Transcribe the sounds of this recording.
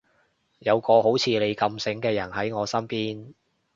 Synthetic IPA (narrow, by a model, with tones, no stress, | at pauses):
jɐ˨˧wkɔː˧ho˨˥wt͡sʰiː˨˧le˨˧jkɐ˧msɪ˨˥ŋkɛː˧jɐ˨˩nhɐ˨˥jŋɔː˨˧sɐ˥mpiː˥n